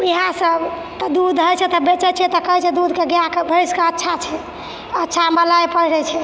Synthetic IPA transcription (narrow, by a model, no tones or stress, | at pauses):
iɦãsəb | t̪ɔd̪ud̪ʱɦəjt͡ʃʰɛt̪ɔbet͡ʃɛt͡ʃʰɛt̪ɔkəɦɛt͡ʃʰɛd̪ud̪ʱkeɡjãkebʱəjskeətːʃʰat͡ʃʰɛ | ətːʃʰaməlajpəɾɛt͡ʃʰɛ